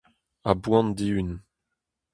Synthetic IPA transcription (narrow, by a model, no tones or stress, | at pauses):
abwɑ̃nd̪iyn